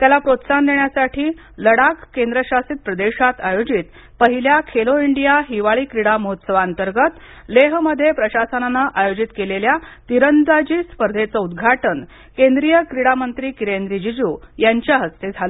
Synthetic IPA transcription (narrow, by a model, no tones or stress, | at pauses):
t̪jalapɾot̪sand̪eɳjasaʈʰiː | ləɽakkːend̪ɾəɕasit̪̚pɾəd̪eɕat̪ajod͡ʑit̪ | pəɦiljakʰeloiɳɖijaɦiʋaɭiːkɾiɽaməɦot̪səʋaːnt̪əɾɡət̪ | leɦməd̪ʱːjepɾəɕasənanaʔajod͡ʑit̪keleljat̪iɾənd̪ad͡ʑiːspəɾd̪ʱet͡səud̪ɡʱaʈən | kend̪ɾijəkɾiɽamənt̪ɾiːkiɾend̪ɾid͡ʑid͡ʑuːjaɲt͡ɕjaɦəst̪ed͡zʱalə